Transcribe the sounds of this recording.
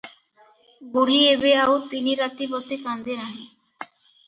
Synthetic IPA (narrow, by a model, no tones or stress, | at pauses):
ɡuɽ̤iebeawt̪iniɾat̪ibɔsekand̪eɾaɦẽ